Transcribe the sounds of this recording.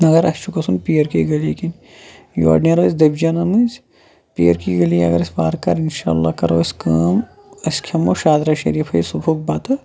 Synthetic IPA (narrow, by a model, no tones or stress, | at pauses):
ɐɡɐɾɐst͡ʃukɐsunpijɐɾkiɡɐlikin | jo̰ːɖnɐɾɐzd̪ɐbd͡ʒaːnɐmɨz | pijɐ̰ɾkiɡɐliɐ̰ɡɐɾɐsbaːɾkɐɾinʃa̰ːlːaːkɐɾoːɐskaːm | ɐskʰɐmoʃaːd̪ɾɐʃḛɾijɐpʰɐisubʰʱoːk̚baːt̪ɐ